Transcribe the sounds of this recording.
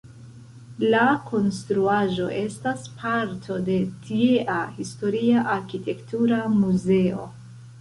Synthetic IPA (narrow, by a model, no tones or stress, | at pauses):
lakʰo̞nstɾuaʒo̞ʔe̞staspʰaɾtʰo̞de̞tʰieʔahisto̞ɾiaʔaɾkitʰe̞ktuɾamuze̞o̞̰